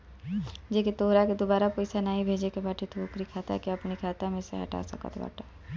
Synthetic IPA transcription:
d͡ʒeːkit̪oːɾaked̪ʊbaːɾapɐɪsanaːɦĩbʱeːd͡ʒekebaʈʰit̪oːkɾikʰaːt̪a̰kiɐpnikʰaːt̪amẽsḛɦɐ̰ʈa̰sə̰kə̰t̪ba̰ːʈʰa

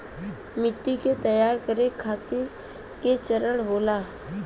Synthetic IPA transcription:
mɪt̪ːiket̪əjaːɾkəɾekʰaːt̪ɪɾ | ket͡ʃəɾəɽɦoːlaː

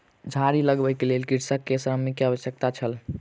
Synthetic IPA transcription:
d͡ʒʱaɾiləɡbəjkelelkiɾsəkːesɾəmikːeabəsjək̚t̪at͡ʃʰəl

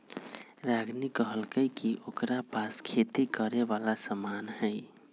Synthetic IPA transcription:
ɾaɡnikəɦəlkəjkiʔokɾapaskʰet̪ikəɾebalasəmanɦəj

